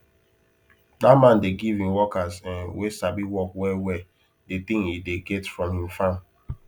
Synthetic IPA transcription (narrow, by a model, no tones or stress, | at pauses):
damãndeɡivĩmwɔkazɛ̃nwesabiwɔkwɛwɛ | det̪ĩŋhideɡɛtfɹɔ̃mhĩmfãn